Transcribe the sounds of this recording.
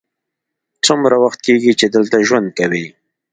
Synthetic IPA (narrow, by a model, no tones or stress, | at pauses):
t͡sʊmɾawaxt̪̚keɡit͡ʃed̪əlt̪aʒwand̪̚kawi